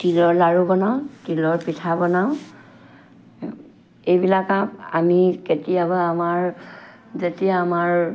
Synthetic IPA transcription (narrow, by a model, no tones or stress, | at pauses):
tilɔɹlaɹubɔnaʊ̃tilɔɹpitʰabɔnaʊ̃ | ejbilakapa̰miketijabaamaɹ | zetijaːmaɹ